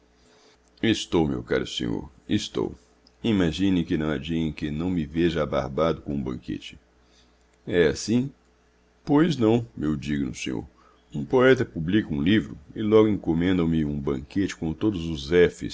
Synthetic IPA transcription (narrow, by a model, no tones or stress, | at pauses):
est̪owmḛwka̰ɾʊsḛ̃ɲo̰ɾ | est̪o̰w | imaʒĩnɪ̃kɪnɐ̃w̃ad͡ʒiẽj̃kɪnɐ̃w̃mɪveʒɐaba̰ɾbad̪ʊkõũbɐ̰̃ŋkḛt͡ʃɪ̥ | ɛasĩ | pojznɐ̃w̃mewd͡ʒiɡnʊ̰sẽɲo̰ɾ | ũpoɛt̪ɐpublikɐũlivɾʊɪlɔɡʊĩkomẽnd̪ɐ̃w̃mɪũbɐ̃ket͡ʃɪ̥kõt̪od̪ʊzʊzɛfɪ̰s